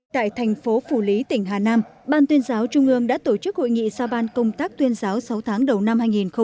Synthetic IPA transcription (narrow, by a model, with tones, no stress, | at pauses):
t̪a̰ː˧˨jt̪ʰɛ˨˩jŋ̟fo˨˦fu˧˩li˨˦t̪ï˧˩ŋ̟ɦaː˨˩naː˧mɓaː˧nt̪wi˧ənzaː˨˦wt͡ɕʊ˧ŋ͡mʔɨ˧əŋɗa̰ː˧˥t̪o˧˩t͡ɕɨ˦˥k̚ho̰˧˨jŋḭ˧˨zaː˧ɓaː˧nkə˧wŋ͡mt̪aː˦˥k̚t̪wi˧ənzaː˨˦wsa˨˦wt̪ʰaː˨˦ŋɗə˨˩wna˧mhaː˧jŋi˨˩nxə˧